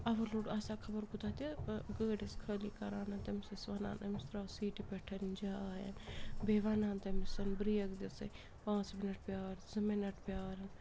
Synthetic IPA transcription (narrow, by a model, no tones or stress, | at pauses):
ɐʋɐluɖasaːkʰɐbɐɾkut̪aːt̪ɐɡəːɖiskʰɐːliːkɐɾaːnɐnt̪ɐmsisʋɐːna̰ːnɐmist̪ɾaːsiːʈipeʈʰɐnnd͡ʒaːaːjɐ̰nbeːʋaːnaːnt̪ɐmisɐnbɾiːjɐkd̪isɐ | pãːt͡smɪnɐʈ̚ʰpʲjaːɾzɐmenɐʈpjaːɾɐn